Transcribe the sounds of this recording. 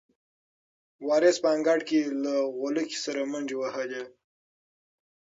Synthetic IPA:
wɑɾɪspəaŋɡaʈkelaɣoləki̥saɾamand͡ʒewahade

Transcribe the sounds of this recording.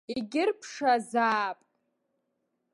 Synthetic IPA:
iɡʲɪrpʰʂazaːpʼ

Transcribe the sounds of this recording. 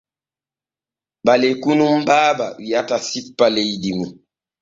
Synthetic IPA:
balekunum̩baːba̰ijatasipːaleidimi

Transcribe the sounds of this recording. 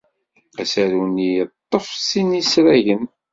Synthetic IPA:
æsæɾunijət̪ˤːəfsinisɾæʝən

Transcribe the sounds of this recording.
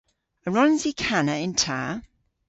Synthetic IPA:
əɹɒ̃nzikʰanəɪ̃ntʰaː

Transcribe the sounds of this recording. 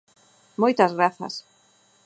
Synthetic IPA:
mojt̪ɐzɣɾaθɐ̰s

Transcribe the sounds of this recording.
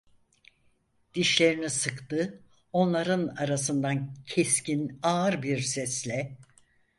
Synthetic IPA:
d̪̥iʃlʲe̞ɾinisɯkt̪ɯ | o̞nlˠaɾɯnaɾasɯnd̪ancʰescinaɾbiɾsɛslʲɛ

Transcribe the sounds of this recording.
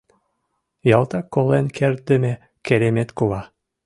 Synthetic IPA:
jɑlˠt̪ɑkːolˠenkʰeɾd̪ɘ̆me | keɾʲemet̪kulɑ

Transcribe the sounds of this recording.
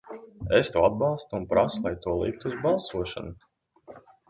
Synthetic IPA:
est̪uɔad̪̚bɑlˠst̪uunpɾaslˠajt̪uɔlˠḭk̚t̪uzbɑlˠsuɔʃa̰nu

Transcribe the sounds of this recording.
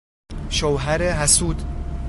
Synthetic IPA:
ʃowɦæɾeɦæsuːd̪

